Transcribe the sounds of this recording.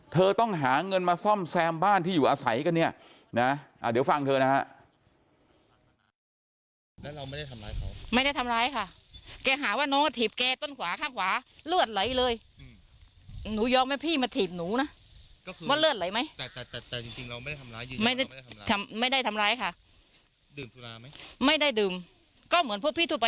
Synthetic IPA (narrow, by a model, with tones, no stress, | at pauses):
t̪ʰɤː˧t̪ɔ˥˩ŋɦaː˩˦ŋɤ˧nmaː˧sɔ˥˩msɛː˧mbaː˥˩nt̪iː˥˩juː˨˩ʔaː˧sa˩˦jka˧nːi˥˩ɐ | na˦˥ʔaː˨˩di˩˦wfa˧ŋt̪ʰɤː˧na˦˥ha˦˥ʔ | wa˥˩jda˥˩˧jma˥˩da˥˩jt̪ʰmɾaː˧jkʰa˥˩ | kɛː˧ɦaː˩˦waː˥˩nɔː˦˥ŋkt̪ʰiː˨˩p̚kɛː˧t̪o˥˩nkʰwaː˩˦kʰaː˥˩ŋkʰwaː˨˩˦lɯ˥˩ət̪̚lɤ˩˦jlɤː˧j | nuː˨˦jɔː˧k̚maː˧˥˩pʰiː˥˩ma˧t̪ʰiː˨˩p̚nuː˩˦na˦˥˧ | waː˥˩lɯ˥˩ət̪̚lɤ˩˦jma˦˥j̪t̪ːi˧ŋi˧ŋa˧wa˥˩a˩˧ma˥˩ja˥˩jt̪ʰa˧mma˥˩jda˥˩jt̪ʰa˧mɾaː˧jkʰaː˥˩˨ | ma˥˩jda˥˩jdɯː˨˩m | kɔː˥˩mɯ˩˦ənpʰu˥˩pʰiː˥˩u˥˩pa˧